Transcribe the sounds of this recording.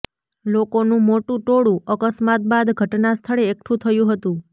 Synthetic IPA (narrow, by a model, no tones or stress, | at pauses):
lokonũmoʈũʈoɽũʔəkəsmat̪̚bad̪ɡʱəʈnast̪ʰəɭeːk̚ʈʰũt̪ʰəjũɦət̪ũ